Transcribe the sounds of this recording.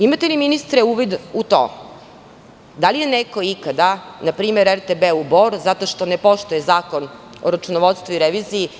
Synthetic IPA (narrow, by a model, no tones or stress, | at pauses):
imat̪eliminist̪ɾɛuːʋid̪ut̪o̰ː | d̪alije̞neko̞ikad̪anapɾiːmeɾeɾt̪ebeuboɾuzat̪o̞ʃt̪o̞nepo̞ʃt̪ujezaːko̞n | o̰ɾat͡ʃunoʋot̪st̪ʋuiɾeʋiziji